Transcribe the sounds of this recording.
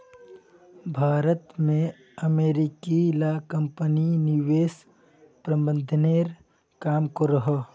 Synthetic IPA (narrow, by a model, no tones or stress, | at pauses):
bʱaːɾət̪mẽ | əmeːɾɪkilakɐ̃mpəniniʋeːs | pɾɐ̃mbə̃nd̪ʱəneːɾ | kaːmkoɾɐɦə